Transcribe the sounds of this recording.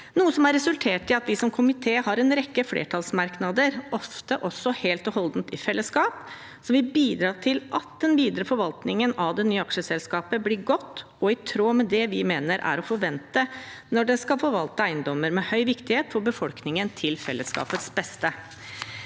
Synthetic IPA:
nuːəsɔmæɾɛsʉlt̪ʰeːʈɪɑt̪ʋɪsɔmkʰʊmɪt̪ʰeːhɑɾɛnɾɛkːəflḛːʈʰɑlsmɑɾknɑd̪əɾʔɔft̪əʔɔsːɔheːlt̪ɔɦɔld̪n̩t̪ɪfɛlːəskɑːp | sɔʋɪbiːd̪ɾɑːʈ̪ʰɪlʔɑt̪̚d̪ɛnʋiːd̪əɾəfɔɾʋɑlt̪nɪŋənɑʋd̪ɛnyːəɑkʂəsɛlskɑːpəblɪɾɡɔt̪ː | ɔɪt̪ʰɾoːmɛd̪ɛʋɪmeːnəɾʔæ̰ɾɔfɔɾʋɛnt̪ənɔɖɛskɑlfɔːɾʋɑlt̪əæɪənd̪ɔmːəɾmɛhœʏʋɪkt̪ɪheːt̪fɔɾbəfɔlknɪŋənt̪ʰɪlfɛlːəskɑ̰ːpət̪sbɛst̪ə

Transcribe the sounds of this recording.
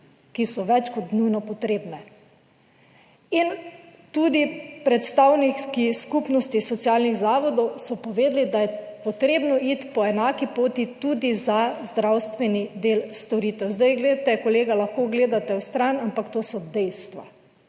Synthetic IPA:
kisɔʋɛt͡ʃkɔt̪nujnɔpɔt̪ɾeːbnɛ | int̪uːd̪ipɾɛt̪st̪awnikiskupnɔst̪isɔt̪sjaːlniɣzaːʋɔd̪ɔwsɔpɔʋeːd̪lid̪ajɛpɔt̪ɾeːbnɔit̪pɔɛnaːkipoːt̪it̪uːd̪izazd̪ɾawst̪ʋɛnid̪eːlst̪ɔɾiːt̪ɛwzd̪ajɡled̪at̪ɛkɔleːɡalaxkoːɡleːd̪at̪ɛwst̪ɾanampakt̪oːsɔd̪ɛjst̪ʋa̰

